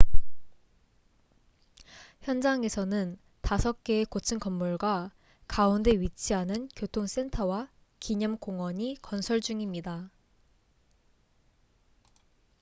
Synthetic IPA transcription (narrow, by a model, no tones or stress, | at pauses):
çjʌnd͡ʑaŋe̞sʰʌnɯn | tasʰʌk̚k͈e̞ekot͡ɕʰɯnkʌmːuɭɡwa | kaunde̞ɥit͡ɕʰiɦanɯnkjotʰoŋs͈e̞ntʰʌwa | kiɲʌmkoŋwʌɲikʌnsʰʌɭd͡ʑuŋimɲida